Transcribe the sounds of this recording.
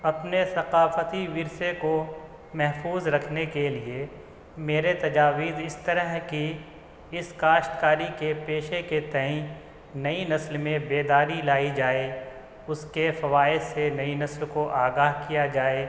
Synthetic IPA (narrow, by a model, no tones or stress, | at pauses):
ɐpnesɐqaːfət̪iʋɪɾseko | mɛɦfuːzɾɐkʰnekelie | meːɾet̪ɐd͡ʒaːʋiːzɪst̪ɐɾəɦki | ɪskaːʃʈ̪kaːɾikepeːʃeket̪ɐɦĩ | nɐinɐslmẽbeːd̪aːɾilaːid͡ʒaːe | ʊskefɐʋaːɪdsenɐinɐslkoʔaːɡaːɦkijad͡ʒaːeː